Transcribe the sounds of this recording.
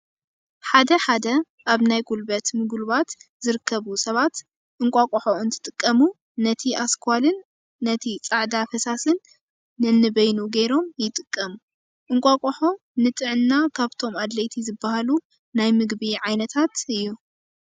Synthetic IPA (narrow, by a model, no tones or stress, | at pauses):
ħad̪ɐħad̪ɐ | ʔaβnajɡulbɐt̪mɨɡulβat̪zɨɾɨkʰːɐβusɐβat̪ | ʔɨŋkʷʼakʼoħoɨnt̪ʰɨ̥t̪ʼɨkʼːɐmuː | ɐt̪ʰiʔaskʰalɨnː | ɐt̪ʰit͡sʼaʕd̪afɐsasɨnː | ɨnːɨbɐjnuɡejɾo̞mjɪt̪ʼɨkʼːɐmu | ʔɨŋkʷʼakʼoħo̞ | nɨt̪ʼɨʕɨnːakʰaβt̪ʰo̞mad̪lɐjt̪ʰizɨbːahalu | najmɨɡbiʕajnɐt̪ʰat̪ʔɨjːu